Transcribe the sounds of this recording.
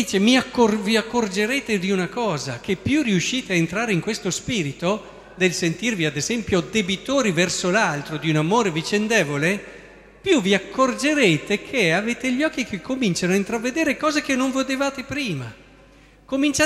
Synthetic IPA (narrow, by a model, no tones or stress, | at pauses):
iːt͡ʃemiakːoviakːord͡ʒeɾeːt̪ed̪iunakɔːzakepːjuriuʃːiːt̪eaent̪ɾaːɾeiŋkwest̪ospiːɾit̪o | d̪elsent̪irviad̪ezɛmpjod̪ebit̪oːɾivɛrsolalt̪ɾod̪iunamoːɾevit͡ʃend̪eːvole | pjuviakːord͡ʒeɾeːt̪ekʰeaveːt̪eʎɔkːikʰekʰːomint͡ʃanoaint̪ɾavːed̪eːɾekɔːzek̟enːoɱvod̪evaːt̪epɾiːma | komint͡ʃa